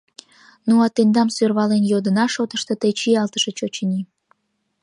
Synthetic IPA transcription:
nuɑt̪end̪ɑmsørβɑlenjod̪ənɑʃot̪əʃt̪ot̪et͡ɕiɑlt̪əʃet͡ɕot͡ɕənʲi

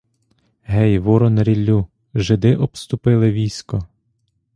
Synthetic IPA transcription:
ɦɛjʋɔɾɔnɾʲilʲːu | ʒɪd̪ɪʔɔpst̪ʊpɪlˠɪʋʲijsʲkɔ

